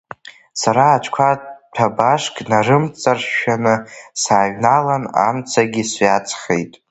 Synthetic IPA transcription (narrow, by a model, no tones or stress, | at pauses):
saɾaːt͡ʃʷʰkʷʰatʰabaʂkʼnarɨmt͡sʼarʃanɨsaːɥnalana̰mt͡sʰaɡʲisat͡sʰʼχḛjtʼ